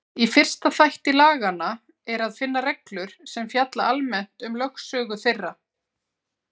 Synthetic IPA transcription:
ifɪr̥st̪aθajht̪ɪlaːɣana | ɛɾaðfɪnːarɛklʏɾ̥sɛmfjat̪laalmɛn̥t̪ʏmlœxsœːɣʏθɪrːa

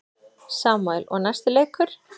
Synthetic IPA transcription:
saːmajlɔ̰ɣnast̪ɪleːjkʏɾ̥

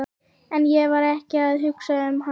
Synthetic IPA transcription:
ɛnjɛvaɾɛhcɪaðɦʏksaʏmha

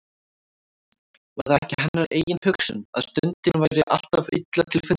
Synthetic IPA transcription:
vaɾðaɛhcɪɦanːaɾʔeːjɪnhʏksʏ̰na̰ðst̪ʏnt̪ɪnvajɾɪʔa̰l̥t̪avɪ̰t̪lat̪ʰɪlfʏ

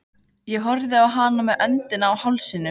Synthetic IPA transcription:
jɛɦɔɾðɪawɦaːnamɛðʔœnt̪ɪnaːwhawlsinːʏ

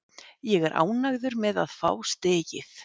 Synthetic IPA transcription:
jɛɣɛɾʔa̰ːwnaɣðʏɾmɛða̰ðfa̰ːwst̪ɛːcɪθ

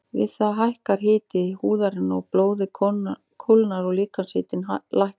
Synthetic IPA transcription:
vɪ̰ðθaɦajhkaɾ̥ɦɪːt̪ɪhuːðaɾɪnɔɣploːwðɪ | kʰolnaɾɔɣliːkanshɪːt̪ɪnlajhk

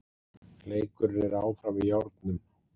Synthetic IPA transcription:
leːjkʏɾːɛɾaːwfɾawvɪðjawɾt̪nʏn

